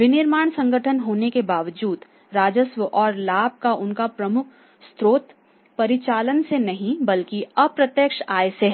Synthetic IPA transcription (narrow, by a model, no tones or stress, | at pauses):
ʋɪnɪɾmaːɳ̃sɐ̃ŋɡʱəʈʰənɦoːnekebaːʋd͡ʒuːd̪ | ɾaːd͡ʒəsʋəʔɔːɾlaːb̚kaʔʊnkapɾɐmʊkʰ | st̪ɾoːt̪ | pɐɾɪt͡ʃaːlənsenɐɦĩbɐlkiɐpɾɐt̪jəkʃaːjseɦ